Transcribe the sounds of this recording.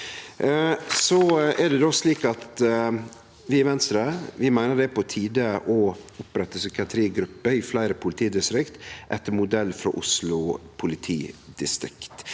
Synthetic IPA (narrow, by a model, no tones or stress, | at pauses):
sɔɛd̪ɛd̪oːsliːkɑt̪ | ʋɪɛɾʋɛnst̪ɾɑʋɪmæɪnəɖɛpʰɔt̪ʰiːd̪əʔɔʊpɾɛt̪ːəsʏkɪɑt̪ʰɾiːɡɾʉpːəɪflæɪɾəpʰʊlɪt̪ʰiːd̪ɪst̪ɾɪkt̪ʔɛt̪əmʊd̪ɛlːfɾɔ̰ʔʊslʊpʰʊlɪt̪ʰiːd̪̥ɪst̪ɾɪ̰kt̪